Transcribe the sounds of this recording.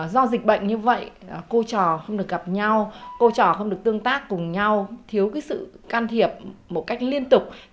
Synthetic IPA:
zɔ˧zï˨˩k̟̚ɓə̰˧˨jŋ̟ɲɨ˧və̰˧˨jko˧t͡ɕɔ˨˩xə˧wŋ͡mɗɨ˨˩ək̚ɣa˨˩p̚ɲa˧wko˧t͡ɕɔ˨˩xə˧wŋ͡mɗək̚t̪ɨ˧əŋt̪aː˦˥kːʊ˨˩ŋ͡mɲa˧wt̪ʰi˨˦əwkaː˨˦jsɨ̰˧˨kaː˧nt̪ʰi˨˩əp̚mo˨˩t̚ka˦˥jk̟̚li˧ənt̪ʊ˨˩k͡p̚

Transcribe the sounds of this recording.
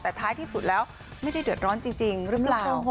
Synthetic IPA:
t̪aː˧˩jt̪ʰaː˨˦jt̪ʰi˧˥fṵ˨˧˩lɛ˨˦w | mə˨˦˥jɗi˧ɗɨ˨˩ət̚zɔ˨˦nt͡ɕɨ˧ŋt͡ɕï˨˩ŋzɨ˧˦aː˧

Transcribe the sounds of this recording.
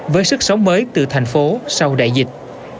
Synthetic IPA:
vəː˨˦jsɨ˦˥k̚sə˨˦wŋ͡mməː˨˦jt̪ɨ̰˧˩t̪ʰa˨˩jŋ̟fo˨˦sa˧wɗa̰ː˧˨jzï˨˩k̟̚

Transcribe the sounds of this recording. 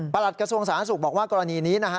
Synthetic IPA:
pa˧la˨˩t̪̚kɾa˧su˧əŋsaː˩˦a˦˥su˨˩k̚bɔː˨˩k̚waː˥˩kɔː˧ɾa˧niː˧niː˦˥na˦˥kʰa˦˥

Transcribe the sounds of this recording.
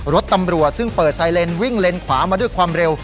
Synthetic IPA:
ɾo˦˥t̪ːa˧mɾu˨˩ət̪̚sɯ˥˩ŋpɤː˨˩t̪̚saː˧jle˧nwi˥˩ŋle˧nkʰwaː˩˦maː˧du˥˩əjkʰwaː˧mɾe˧w

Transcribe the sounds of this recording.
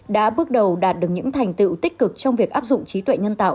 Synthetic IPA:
ɗa̰ː˧˥ɓɨ˦˥ək̚ɗə˨˩wɗaː˨˩t̚ɗɨ˨˩ək̚ɲɨ̰˧˥ŋt̪ʰa˨˩jŋ̟t̪ɨ̰˧˨t̪i˦˥k̟̚kɨ˨˩k̚t͡ɕɔ˧wŋ͡mvi˨˩ək̚ʔaː˦˥p̚zʊ̰˧˨ŋ͡mt͡ɕi˨˦t̪wḛ˧˨jɲə˧nt̪a̰ː˧˨

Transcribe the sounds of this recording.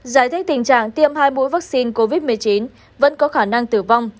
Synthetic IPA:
zaː˧˩jt̪ʰi˦˥k̚t̪ï˨˩ŋ̟t͡ɕa̰ː˧˨ŋt̪i˧əmhaː˧jmṵ˧˥jvaː˦˥k̚si˧nko˧vi˦˥t̚mɨ˨˩əjt͡ɕi˨˦n | və̰˧˥nkɔ˨˦xaː˧˩na˧ŋt̪ɨ˧˩va˧wŋ͡m

